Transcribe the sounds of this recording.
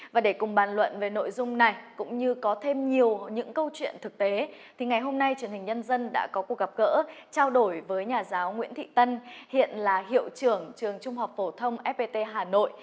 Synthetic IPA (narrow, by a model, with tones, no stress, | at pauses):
vaː˨˩ɗe˧˩kʊ˨˩ŋ͡mɓaː˨˩nlwə̰˧˨nve˨˩no̰˧˨jzʊ˧ŋ͡mna˨˩jkʊ̰˧˥ŋ͡mɲɨ˧kɔ˨˦t̪ʰe˧mɲi˨˩əwɲɨ̰˧˥ŋkə˧wt͡ɕwḭ˧˨ənt̪ʰɨ˨˩k̚t̪e˨˦t̪ʰi˨˩ŋa˨˩jɦo˧mna˧jt͡ɕwi˨˩ənhi˨˩ŋ̟ɲə˧nzə˧nɗa̰ː˧˥kɔ˨˦ku˨˩ək̚ɣa˨˩p̚ɣə̰ː˧˥t͡ɕaː˧wɗo˧˩jvəː˨˦jɲaː˨˩zaː˨˦wŋwḭ˧˥ənt̪ʰḭ˧˨t̪ə˧nhḭ˧˨ənlaː˨˩ɦḭ˧˨əwt͡ɕɨ˨˩əŋt͡ɕɨ˨˩əŋt͡ɕʊ˧ŋ͡mɦa˨˩wk͡p̚fo˧˩t̪ʰə˧wŋ͡mʔɛ˦˥p̚pe˧t̪e˧ɦaː˨˩no̰˧˨jʔ